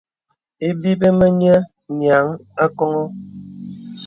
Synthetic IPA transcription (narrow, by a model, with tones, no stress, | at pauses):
e˦bi˦be˦mə˦ɲə˦ | ɲja˨˦ŋa˦kɔ˦ŋɔ˦